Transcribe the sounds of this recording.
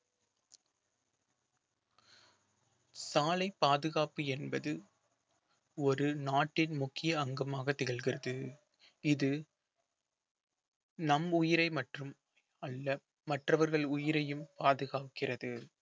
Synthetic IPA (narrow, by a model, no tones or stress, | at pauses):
saːlɐɪpːaːðɯɣaːpɯɛnbɐðɯ | ɔɾɯnaːʈːɪnmʊkːɪjɐːŋɡɐmaːɣɐt̪ːɪɣɐɭɣɪrɐðɯ | ɪðɯ | nɐmʊjɪɾɐɪmɐʈrɯm | ɐɭːɐ | mɐʈrɐʋɐɾɣɐɭʊjɪɾɐjɯmpaːðɯɣaːkɪrɐðɯ